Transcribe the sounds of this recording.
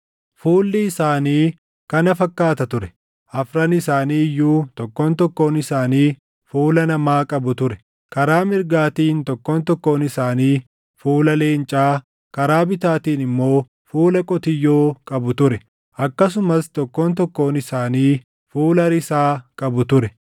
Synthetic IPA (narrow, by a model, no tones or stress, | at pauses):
fuːlːɪɪsaːniː | kɐnɐfɐkːaːt̪ɐt̪ʊɾɛ̥ | ʔɐfɾɐnɪsaːniːjːuːt̪ɔkːoːnt̪ɔkːo̞ːnɪsaːniː | fuːlɐnɐmaːkʼɐbʊt̪ʊɾɛ̥ | kɐɾaːmɪɾɡaːt̪iːnt̪ɔkːoːnt̪ɔkːo̞ːnɪsaːniː | fuːlɐle̞ːnt͡ʃʼaː | kɐɾaːbɪt̪aːt̪iːnɪmːo̞ː | fuːlɐkʼɔt̪ɪjːoːkʼɐbʊt̪ʊɾɛ | ɐkːɐs̬ʊmɐst̪ɔkːoːnt̪̬ɔkːo̞ːnɪsaːniː | fuːlɐɾɪsaːkʼɐbʊt̪ʊɾɛ